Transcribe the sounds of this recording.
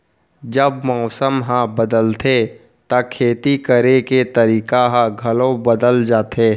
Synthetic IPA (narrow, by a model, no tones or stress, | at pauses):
d͡ʒəbmɔːsəmɦãbəd̪əlt̪ʰe | t̪akʰeːt̪ikəɾeket̪ɐɾiːkaɦãɡʱɐlõbəd̪əld͡ʒaːt̪ʰeː